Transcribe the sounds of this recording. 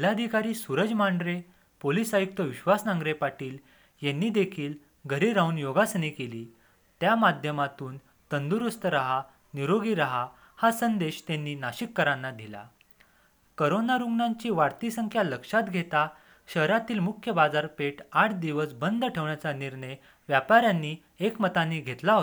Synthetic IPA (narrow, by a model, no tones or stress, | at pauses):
lad̪ʱikaɾiːsuɾəd͡zmaɳɖɾe | polisajuk̚t̪əʋiɕʋasnãŋɡɾepaʈiːl | jenːiːd̪ekʰiːl | ɡʱəɾeɾaɦunjoɡasənikeliː | t̪jamad̪ʱjəmat̪uːn | t̪ənd̪uɾust̪əɾaɦa | niɾoɡiːɾaɦa | hasənd̪eɕt̪enːiːnaɕikːəɾãnːad̪ʱila̰ | kəɾonaɾuŋɡnãɲt͡ɕiːʋaɾt̪isəŋkʰjaləkʂat̪ɡʱet̪a | ɕəɦɾat̪iːlmukʰjəbad͡zaɾpeʈaʈʰd̪iʋəsbənd̪əʈʰeʋɳjat͡saniɾɳə | ʋjapaɾjanːiː | ekmət̪aniːɡʱet̪laɦo